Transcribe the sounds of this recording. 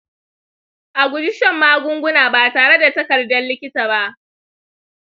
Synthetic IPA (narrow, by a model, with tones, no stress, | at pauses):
ʔa˨ɡʷʊ˨d͡ʒɪ˦ʃɛ˨mːaː˦ɡʷʊ˦ŋɡʷʊ˦naː˨baː˨taː˨ɽe˦da˨tɐ˦kɐ˨rdɐ˦nlɪ˦kʲɪ˦taː˨ba˦ʔ